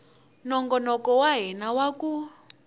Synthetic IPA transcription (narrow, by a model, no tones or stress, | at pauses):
nɔŋɡɔnɔkɔwaɦɛnawaku